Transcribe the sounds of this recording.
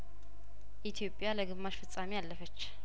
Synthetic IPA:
ʔit̪ʰijo̞pʼːjaləɡɨmːaʃfɨt͡sʼːamijalːəfət͡ʃː

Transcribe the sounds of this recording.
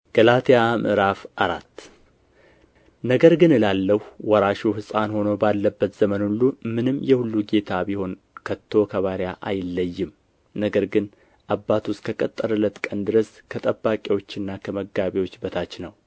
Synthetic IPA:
ɡ̥əlat̪ʰjamɨ̰ɾafʔaɾa̰t̪ː | nəɡəɾɡɨnɨlalːəhwɔɾaʃuɦɨsʼanho̞nobalːəbːət̪z̥əmənulːumɨnɨmːjɛhulːuɡe̞t̪ʰabiho̞n | kʰət̪ʰːo̞kʰəβaɾjaʔajɪlːəjːɪm | nəɡəɾɡɨn | ʔabːat̪ʰwʊskʰəkʼət̪ʼːəɾɨlət̪kʼənd̪ɨɾəskʰət̪ʼəbːakʼewo̞t͡ʃːɪnːakʰəməɡaβiwo̞t͡ʃːbət̪ʰat͡ʃːnəw

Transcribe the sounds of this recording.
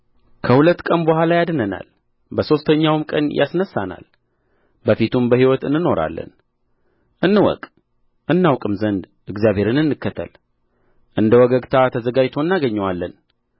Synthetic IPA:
kʰəhulət̪ːkʼənbəhʷalajad̪nəna̰l | bəso̞st̪ʰəɲːawɨmkʼə̰njʔa̰snəsːana̰l | bəfit̪ʰumbəhiwɔt̪ɨ̰nːɨno̞ɾa̰lːə̰n | ʔɨnːɨwɔ̰kʼ | ʔɨnːawkʼɨmzənd̪ | ʔɨɡzjaβhe̞ɾɨnɨnːɨkːət̪ʰːə̰l | ʔɨnd̪əwɔɡəɡt̪ʰat̪ʰəzəɡad͡ʒt̪ʰo̞ɨnːaɡəɲːɛwalːən

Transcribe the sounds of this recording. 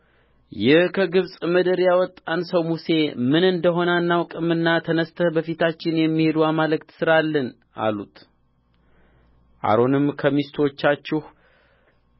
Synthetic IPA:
jɪhkʰəɡɨβsʼməd̪əɾjawɔt̪ʼːansəwmuse̞mɨnɨnd̪əɦo̞nanːawkʼɨmɨnːat̪ʰənəst̪ʰəbəfit̪ʰat͡ʃːɪnjɛmːihe̞d̪uamalɨkt̪sɨɾalːən | ʔa̰lut̪ | ʔa̰ɾo̞nɨmkʰəmist̪ʰot͡ʃːat͡ʃːɪh

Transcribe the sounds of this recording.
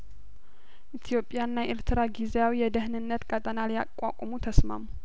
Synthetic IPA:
ʔit̪ʰijo̞pʼːjanːaʔɪɾt̪ʰɨɾaɡizejawijɛd̪əhnɨnːət̪kʼət̪ʼənalja̰kʷʼːa̰kʷʼɔmut̪ʰəsma̰mu

